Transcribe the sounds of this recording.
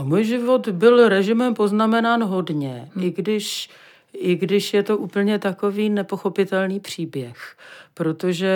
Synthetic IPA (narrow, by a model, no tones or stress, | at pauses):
muːjʒɪvo̞t̪bɪlɾɛʒɪmɛmpo̞znamɛnaːnɦo̞dɲɛʔɪɡdɪʃ | ɪɡdɪʃjɛt̪o̞ʔuːpl̩ɲɛt̪ako̞viːnɛpo̞xo̞pɪt̪ɛlniːpr̝̥iːbjɛxpɾo̞t̪o̞ʒɛ